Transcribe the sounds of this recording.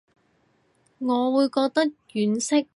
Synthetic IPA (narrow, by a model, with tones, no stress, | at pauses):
ŋɔː˨˧wuː˨˧jkɔː˧k̚t̪ɐ˥k̚jyː˨˥nsɪ˥k̚